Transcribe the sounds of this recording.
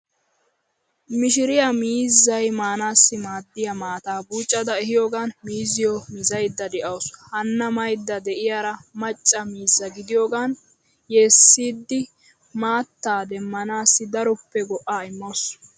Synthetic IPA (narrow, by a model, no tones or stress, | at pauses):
mɪʃ̬ɪɾɪjamiːzːɐjmaːnaːsːɪmaːd̪ːɪjɐmaːt̪aːbuːt͡ʃʼːɐd̪ɐɛɦɪjoːɡaːnmiːzɪjomizɐjd̪ːɐd̪ɛʔɐwshɐnːɐmɐjd̪ːɐd̪ɛʔɪjaɾɐmɐt͡ʃʼːɐmiːzːɐɡɪd̪ɪjoːɡaːn | jeːsːiːd̪ːɪ | maːt̪ːaːd̪ɛmːɐnaːsːɪd̪ɐɾʊpːɛɡɔʔaːɪmːoːs